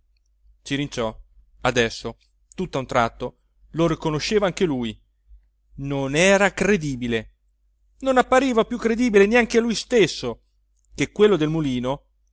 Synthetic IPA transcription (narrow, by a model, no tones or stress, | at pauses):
t͡ʃiɾint͡ʃɔ | ad̪ɛsːo | t̪ut̪ːaunt̪ɾat̪ːo | lorikonoʃːeːvaaŋk̟eluj | nonɛːɾakɾed̪iːbile | nonapːaɾiːvapjukːɾed̪iːbileneaŋk̟ealujst̪esːo | kekwelːod̪elmuliːno